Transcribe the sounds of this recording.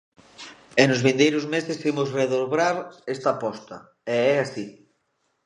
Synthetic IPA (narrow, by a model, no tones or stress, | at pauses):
enʊzβĩnd̪ejɾʊzmesɪstimʊzreðoβɾaɾest̪ɐpɔst̪ɐ̰ | eɛasi